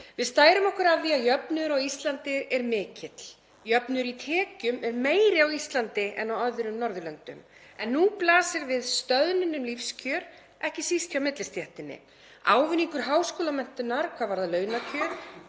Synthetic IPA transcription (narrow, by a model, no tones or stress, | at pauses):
vɪðst̪aːjɾʏmɔhkʏɾavðiaðjœpnʏɾawist̪lant̪ɪɾɛɾmɪːcɪt̪l | jœpnʏɾit̪ʰɛːcʏmɛɾmeːjɾɪawist̪lant̪ɪʔɛ̰nawœðʏɾʏmnɔɾðʏlœnt̪ʏ̰m | ɛnːuplaːsɪɾvɪðst̪œðnɪnʏmlifscʰœːɾ | ɛhcɪsisʰawmɪt̪lɪst̪jɛht̪ɪnːɪ̰ | a̰ːwvʏniŋkʏɾ̥ɦaːwskoːlamɛn̥t̪ʏnːaɾ̥kʰvaːvaɾðalœːɥnacʰœːɾ